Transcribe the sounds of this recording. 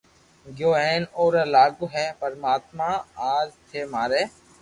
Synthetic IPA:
ɡjoːeːnoːɾəlaːɡuːɦɛːpəɾmaːt̪mãːaːzt̪ʰeːmaːɾeː

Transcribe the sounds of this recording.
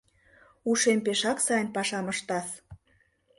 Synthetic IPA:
uʃempeʃɑksɑjənpɑʃɑmə̆ʃt̪ɑs

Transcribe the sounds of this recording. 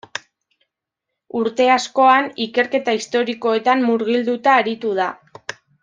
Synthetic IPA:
uɾt̪e̞asko̞anike̞ɾke̞t̪aist̪o̞ɾiko̞e̞t̪ammːuɾɣild̪ut̪aːɾit̪uð̞a

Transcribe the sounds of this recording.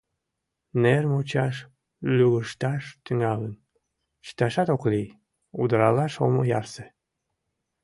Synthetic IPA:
nermot͡ɕɑʃ | lyɣəʃt̪ɑʃt̪yŋɑlən | ɕə̥t̪ɑʃɑt̪okli | ud̪əɾɑlɑʃo̰mojɑrse

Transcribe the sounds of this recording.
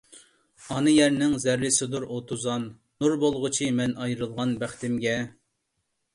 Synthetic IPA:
ɑnɨjɛɾnɪŋzæɾlɪsɪd̪uɾot̪ʰuzɑnː | uɾbolˠʁʊt͡ʃʰimɛnɑjɾɨlˠʁɑnbæχt̪ɪmɡʲɛ

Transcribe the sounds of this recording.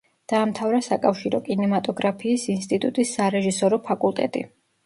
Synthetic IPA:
d̪̥aːmt̪ʰavɾasakʼafʃiɾɔkʼinɛmat̪ʼɔɡɾapʰiːsinst̪ʼit̪ʼut̪ʼisːaɾɛʒisɔɾɔpʰakʼulˠt̪ʼɛ̰t̪ʼḭ

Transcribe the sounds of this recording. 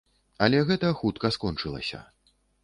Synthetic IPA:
ɐlʲɛɣɛt̪ɐxut̪kɐskɔnt͡ʂɨlˠɐ̰sʲɐ̰

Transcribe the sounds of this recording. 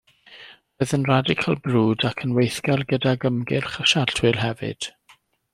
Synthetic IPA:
oːðənradɪkʰəlˠbruːdakʰənwejθɡɛlɡədaɡəmɡɪrχəʃaɬtʰwɪlˠɦɛvɨ̰d̥

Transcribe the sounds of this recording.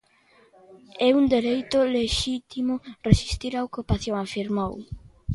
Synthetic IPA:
ɛund̪eɾejt̪ʊleʃit̪imʊresi̥st̪iɾaokupaθjoŋafiɾmow

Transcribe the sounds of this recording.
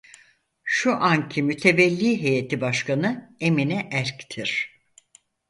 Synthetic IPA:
ʃuʔancʰimyt̪ʰevɛlʲːiːɦejet̪ʰibaʃkanɯeminɛʔæɾct̪ʰiɾ̥

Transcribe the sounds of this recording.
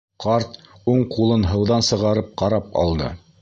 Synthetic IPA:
qʰɑɾt̪ | uɴqulˠɤnɦɤ̆wðɑnsɤ̆ʁɑɾɤp̚qɑɾɑp̚ɑ̰lˠd̪ɤ̰

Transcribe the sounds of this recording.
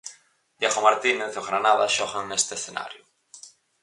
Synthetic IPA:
d̪jaɣomaɾt̪ineθoɣɾanaðaʃɔɣaŋest̪eesθena̰ɾjʊ

